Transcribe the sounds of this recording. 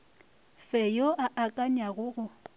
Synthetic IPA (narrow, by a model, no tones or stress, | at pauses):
fɛjoʔaʔakʼanaɣʊːɣʊ